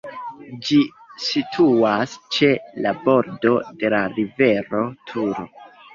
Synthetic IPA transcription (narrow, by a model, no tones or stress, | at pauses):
d͡ʒi | sitʰuast͡ʃe̞labo̞ɾdo̞de̞laɾive̞ɾo̞tʰuɾo̞